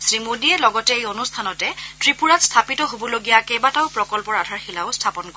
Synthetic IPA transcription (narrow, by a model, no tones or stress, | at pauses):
sɹimudiɛlɔɡɔtɛejonustʰanɔtɛtɹipuɹatstʰapitɔɦobɔloɡijakɛbataʊpɹɔkɔlpɔɹadʱaɹxilaʊstʰapɔnko